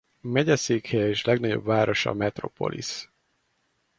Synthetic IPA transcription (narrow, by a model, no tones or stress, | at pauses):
mɛɟɛseːkhɛjɛeːʃlɛɡnɒɟo̞̰bvaːɾo̞ʃɒ̰mɛt̪ro̞po̞̰lʔḭs